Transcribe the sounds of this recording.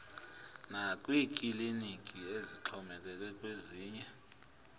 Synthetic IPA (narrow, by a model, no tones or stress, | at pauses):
nak̬ʼwiːkʼilinikʼieziǁʰɔmɛk̬ɛk̬ɛk̬ʼweziːɲɛ